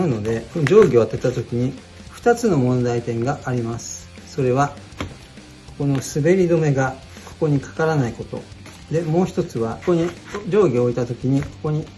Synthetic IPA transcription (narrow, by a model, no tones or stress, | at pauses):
ɯ̟no̞d̪e̞kod͡ʑo̞ːɡʲioat̪ːet̪ːat̪o̞kʲiɲ̟i | ɸɯ̟̥t̪at͡sɨno̞mõ̞nd̪ait̪ẽ̞ŋɡaʔaɾʲimasɨ̥ | so̞ɾe̞βa | ko̥ko̞no̞sɨbe̞ɾʲid̪o̞me̞ɡa | kʰo̞̥ko̞ɲ̟ikḁkaɾanaiko̞t̪o̞̰ | d̪e̞mo̞ːçi̥t̪o̞t͡sɨβakoɲid͡ʑo̞ːɡʲioːit̪at̪o̞kʲiɲ̟iko̞ko̞ɲ̟i